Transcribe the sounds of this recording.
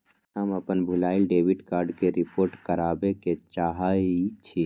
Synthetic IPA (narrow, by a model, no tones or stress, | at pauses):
ɦəməpənbʱulaːilɖebiʈkaːɾɖkeɾipoːɾʈkəɾaːbeket͡ʃaɦait͡ʃʰi